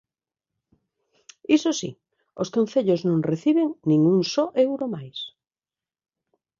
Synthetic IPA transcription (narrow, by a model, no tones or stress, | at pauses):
isosḭ | oskõnθeʎoznõŋreθiβeŋnĩŋuŋsoʔewɾomajs